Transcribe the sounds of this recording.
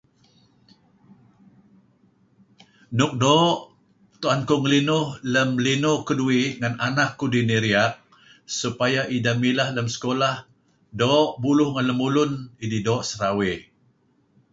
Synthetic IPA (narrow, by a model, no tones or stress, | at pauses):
nʊk̚doːʔ | t̪uankuŋəlinʊhləmlinʊkəduiʔŋananakːudiniɾiak̚ | supajaʔidamilahləmsə̥kolah | doːʔbulʊhŋanləmulʊnididoːʔsəɾawe